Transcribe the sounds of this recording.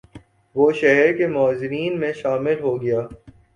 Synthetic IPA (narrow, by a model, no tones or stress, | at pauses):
ʋoːʃɛɦɛɾkemɔːzɪɾiːnmẽʃaːmɪlɦoɡɐjaː